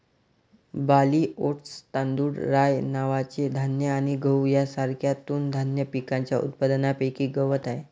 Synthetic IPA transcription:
baliːoʈst̪ãnd̪uːɽɾajnaʋat͡sed̪ʱanjəaɽ̃iɡəwjasaɾkʰjat̪uːnd̪ʱanjəpikãɲt͡ɕjaṵt̪̚pad̪napekiːɡəʋət̪ae

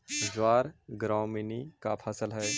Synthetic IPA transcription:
d͡ʒaːɾɡɾãːʊmenikapʰaːsəlɦɛː

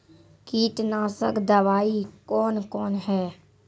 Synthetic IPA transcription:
kiːt̪nãːsəkd̪əʋaːikɔːnkɔːnɦɛː

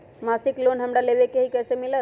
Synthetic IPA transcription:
masiklonɦəmɾaleʋekeɦikɛsemilə

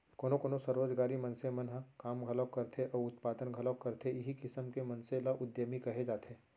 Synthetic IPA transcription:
koːnokoːnosəɾoːd͡ʒɡaːɾimɐnsemɐnɦãkaːmɡʱɐləkɐɾt̪ʰeʔɔːʊt̪paːd̪ənɡʱɐləkɐɾt̪ʰeɪɦikɪsəmkemɐ̃nselɐʔʊd̪jəmikɐɦed͡ʒaːt̪ʰeː

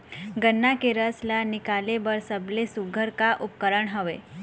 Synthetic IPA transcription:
ɡənːakeɾəslanikalebəɾsəblesuɡʱəɾkaʔup̚kəɾəɳɦəʋe

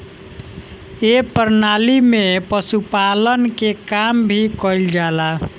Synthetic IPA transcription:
epəɾnalimepəsupalənkekambʱikɔld͡ʒala

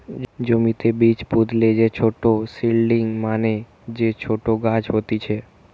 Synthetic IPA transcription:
d͡ʒumit̪ebit͡ʃpud̪ʱled͡ʒet͡ʃʰoʈosilɖiŋɡmane | d͡ʒet͡ʃʰoʈoɡãd͡ʒɦot̪it͡ʃʰe

